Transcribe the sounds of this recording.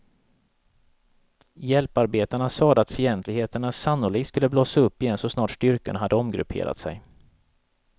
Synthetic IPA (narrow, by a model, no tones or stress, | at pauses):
jɛlpaɾbeːt̪aɳasɑːd̪əat̪fœjɛnt̪lɪɡheːt̪əɳasanːʊliɡskɵlːəbloːsaɵpːɪjɛnsɔsnɑːʈʂʈʏɾkəɳɦad̪ːəɔmɡɾɵ̰pʰḛːɾʔa̰t̪sɛ̰j